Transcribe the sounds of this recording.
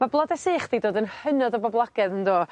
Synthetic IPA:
mablˠɔdɛsiːχd̥ijdoːdənhənɔdɔbɔblˠaɡ̥ɛðəndoː

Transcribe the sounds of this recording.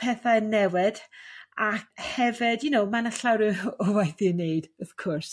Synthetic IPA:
pʰɛθaənːɛwɪdakhɛvɪdjʊnowmanaɬawɾɨɔvajθinejd̥ɔv̥kʰɔrs

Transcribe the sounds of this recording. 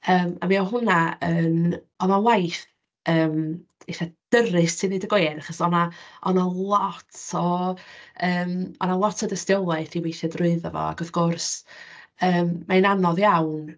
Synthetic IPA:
əːmamiɔɦʊnaən | ɔnalˠajθ | əːmejθad̥əɾɨstʰɪniːdəɡwejnaχɔsɔnaɔnalˠɔtʰɔ | əːmɔnalˠɔtʰɔdəstɪwlˠaθiwejθɛdrʊɨðɔvɔ̰a̰ɡɔðɡ̥ʊrs | əːmːaɛnanɔðjawn

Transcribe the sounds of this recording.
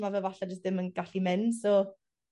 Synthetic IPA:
mavɛlˠvaɬad͡ʒʊstðɪmənɡaɬimɛnsɔ

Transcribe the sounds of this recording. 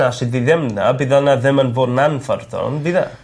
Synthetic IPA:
asɨdiðɛmnabiðɔnaðɪmənvoːdnanfɔrdɔ̰nbiða̰

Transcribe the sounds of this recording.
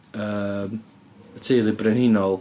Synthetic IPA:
əːm | ətʰiːðɨbrɛnɪnɔlˠ

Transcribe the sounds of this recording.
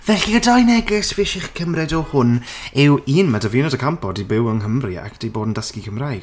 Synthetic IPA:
vɛɬiədajnɛɡɪsvɪʃɪχkʰəmrɛdɔhʊnɪwiːnmadəvɪnɔdəkʰampɔdibɪwəŋɦəmrɪa̰k̚ʰd̥ejboːdn̩dəskikʰəmrajd̥

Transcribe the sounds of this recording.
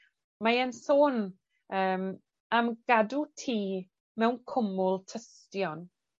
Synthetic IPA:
maənsoːn | əːm | amɡ̥adutʰiː | mɛwnkʰʊmʊlˠtʰəstjɔn

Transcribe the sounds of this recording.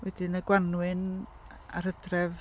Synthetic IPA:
wɛdɪnəɡwanwɨn | a̰ɾədrɛv

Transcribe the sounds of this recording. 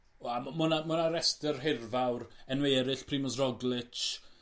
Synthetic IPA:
ammʊnamʊnaɾɛstərɦɪrvawrɛnwɛːɾɪɬpʰriːmɔsrɔɡlˠɪt͡ʃ

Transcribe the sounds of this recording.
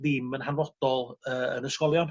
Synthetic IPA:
ðɪmənɦanrɔd̥ɔlˠəːə̰nəskɔlˠjɔn

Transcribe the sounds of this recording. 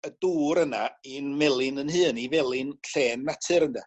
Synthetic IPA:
əduːɾənainmɛlˠɪnənhɨːnivɛlˠɪnɬeːnmatʰɨɾəndɛ

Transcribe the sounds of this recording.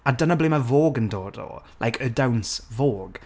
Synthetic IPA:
adənəblemavoːɡəndoːdɔ̰lʔa̰jkʰədawnsvoːɡ̥

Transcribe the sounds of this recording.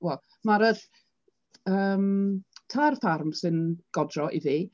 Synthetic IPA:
wɛlˠ | maɾəð | əːmtʰarfarmsɨnɡ̥ɔdrɔʔiðiː

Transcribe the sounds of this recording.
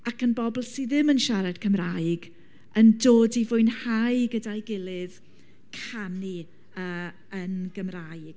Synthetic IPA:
akənbɔblˠsiðɪmənʃaɾad̥kʰəmrajɡ | əndoːdivʊɨnhajɡədajɡɪlˠɨð | kʰani | əː | ənɡəmrajɡ̥

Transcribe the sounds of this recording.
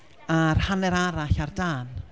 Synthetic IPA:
arhanɛɾaɾaɬardaːn

